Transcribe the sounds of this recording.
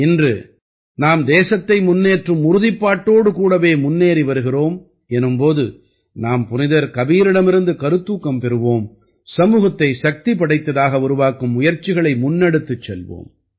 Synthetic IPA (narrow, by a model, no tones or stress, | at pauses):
ɪndrɯ̰ | naːmd̪eːsɐt̪ːɐɪmʊnːeːʈrɯmʊɾʊðɪpːaːʈːoːɽɯkuːɽɐʋeːmʊnːeːɾiʋɐɾɯɣɪroːm | ɛnɯmpoːðɯ | naːmpʊnɪðɐɾkɐbiːɾɪɽɐmɪɾɯnd̪ɯkɐɾɯt̪ːuːkːɐmpɛɾɯʋoːm | sɐmuːɣɐt̪ːɐɪʃɐk̚t̪ipɐɽɐɪt̪ːɐðaːɣɐʊɾʊʋaːkɯmʊjɐɾt͡ʃːɪɣɐɭɐɪmʊnːɐɽɯt̪ːɯt͡ʃːɛlʋo̰ːm